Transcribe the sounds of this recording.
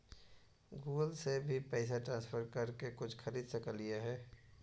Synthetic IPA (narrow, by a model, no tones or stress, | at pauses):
ɡuːɡəlsebʱipɛːɪs̬aʈɾãːnspʰəɾkɐɾkekʊt͡ʃʰxɐɾiːd̪sɐkəlijaɦɛː